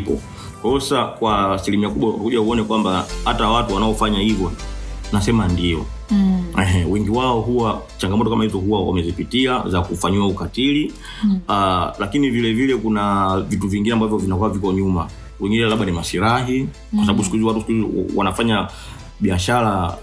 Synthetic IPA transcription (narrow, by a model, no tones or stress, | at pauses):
pɔ | hɔsakwasilimiakuɓwa̰kuʄauɔnɛkwambahatawatuwanaɔfaɲahivjɔnasɛmandiɔ̰ | ɛɦɛwɛŋɡiwaɔɦuwat͡ʃaŋɡamɔtɔkamahizɔɦuwawa̰mɛzipitiazakufaɲiaukatili | lakinivilɛvilɛkunavituviŋɡinɛambavjɔvinakwaavikɔɲuma | wɛŋɡinɛlaɓanimasilaɦi | wasaɓaɓuskuiziwatusikuizwa̰nafaɲa | ɓiaʃala